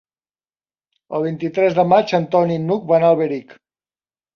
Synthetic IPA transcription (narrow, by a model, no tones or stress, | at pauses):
əlˠβ̞int̪it̪ɾɛzðəmat͡ʃənt̪ɔninuk̚banaəlˠβəɾik